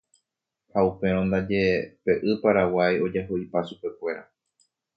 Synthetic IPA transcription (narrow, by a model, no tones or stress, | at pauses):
haupẽ̞ɾ̃õnd̪ad͡ʒe̞pe̞ʔɨpaɾawajo̞d͡ʒaɦoipaʃupe̞kʷe̞ɾa